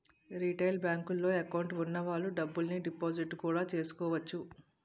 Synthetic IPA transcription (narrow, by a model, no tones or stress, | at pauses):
ɾiʈɐjlbjaːŋkulːo̞ːɐkɐwɳʈunːɐʋaːɭːuɖɐbːulniɖipoːd͡ʒiʈːkuːɽaːt͡ʃe̞ːsu̥kɔːʋɐt͡ʃːu